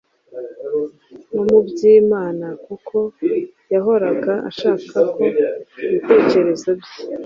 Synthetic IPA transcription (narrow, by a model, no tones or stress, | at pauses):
nomubɟiːmaːnakukʰo̞ | jaɦo̞ɾaɡaʔa̰ʃaːkʰako̞βite̞ːce̞ɾe̞zabje